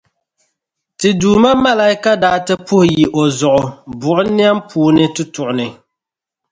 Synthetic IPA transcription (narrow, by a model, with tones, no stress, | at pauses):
tɪ˨duː˨ma˦ma˦la˦ɪ˦ka˦daː˦tɨ˦pʊ˦hji˨ʔo˨zʊ˨ʔʊ˨bʊ˨ʔʊ˦ni˦a˦mpʰuː˦nɨ˦tʊ˦tʊ˨ʔʊ˨nɨ˨